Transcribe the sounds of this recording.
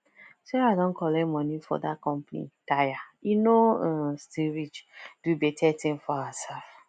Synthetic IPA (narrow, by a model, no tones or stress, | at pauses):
soadõnkʰɔlɛmɔnifɔ̰dakɔ̃mpanḭtajainõstilɾit͡ʃd̥ubetʰɛtɪ̃nfɔaasɛlf